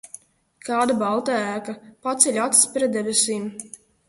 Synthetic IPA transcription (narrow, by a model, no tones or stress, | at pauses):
kaːd̪abalˠt̪aæːkapat̪sʲɛʎʲat̪spɾɛt̪̚d̪ɛvesiːm